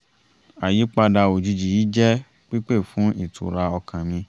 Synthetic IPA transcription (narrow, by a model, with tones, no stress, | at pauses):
a˨ji˨˦k͡pa˧da˧o˨d͡ʒi˧d͡ʒi˨ji˨˦d͡ʒɛ˦ | k͡pi˦k͡pe˦˨fũ˨˦i˦˨tʰṵ˨ɾa˧ɔ˧kã˨mĩ˧